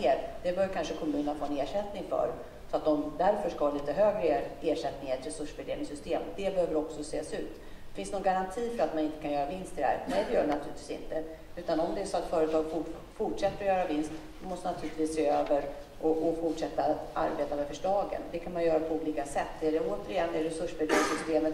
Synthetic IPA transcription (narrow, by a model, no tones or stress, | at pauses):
eːɾd̪̥ɛbœːɾvjəkʰanʂəkʰɔmʉ̟ːnənafoːɛneːʂɛt̪nɪŋfœ̰ɾ | sɔat̪̚d̪ɔmd̪æɾfœʂkahɑːliːt̪əɦøːɡɾəeːʂɛt̪nɪŋaɛt̪ɾɛsɵʂbɛd̪ḛːvnɪŋsʏst̪eːmɔd̪ɛbɛhøːvəɾɔksɔseːsʉ̟ːt̪ | fɪnsnuːnɡaɾant̪ʰiːfœɾat̪manɪnt̪ə̥kʰanjœːɾavɪnst̪ʰɪd̪hæ̰ɾnɛd̪ɛjœːɖɛnat̪ʰʉ̟ːlɪt̪viːsɪ̰nt̪ə | ʉ̟ːt̪anɔmd̪ɛsɔat̪fœːɾət̪ʰɑːɡfʊ | fʊʈʂɛt̪ːɾɔjœːɾavɪnskt̪sɔmɔst̪ɛnat̪ʰʉːlɪt̪viːseːøːvəɾ | ʔɔʔɔfʊʈʂɛt̪ːaa̰ɾbeːt̪amɛfœʂlɑːɡə̰nd̪ɛkʰanmanjœːɾapʰɔuːliːkasɛt̪ːɛɖɛoːt̪əɾɪjɛnːɛɾɛsɵʂbɛd̪eːvɪŋsʏst̪eːmət̪